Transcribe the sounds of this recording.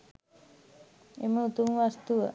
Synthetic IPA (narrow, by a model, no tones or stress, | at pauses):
eməut̪uŋʋast̪uʋə